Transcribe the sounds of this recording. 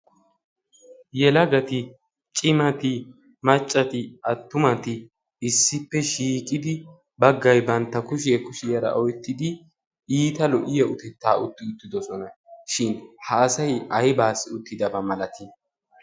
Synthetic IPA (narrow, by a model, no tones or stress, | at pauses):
jɛlɐɡɐt̪ɪ | t͡ʃʼɪmɐt̪ɪ | mɐt͡ʃʼːɐt̪ɪɐt̪ːʊmɐt̪ɪ | ɪsːɪpːɛʃiːkʼɪd̪ɪ | bɐɡːɐjbɐnt̪ːɐkʊʃɪjɐkʊʃɪjɐɾɐ̰ʔɔjt̪ːɪd̪ɪ | iːt̪ɐlɔʔɪjɐʊt̪ɛt̪ːaːʊt̪ːɪʊt̪ːɪd̪ɔsɔnɐʃɪnhɐːsɐjɐjbaːsɪʊt̪ːɪd̪ɐbɐmɐlɐt̪ɪ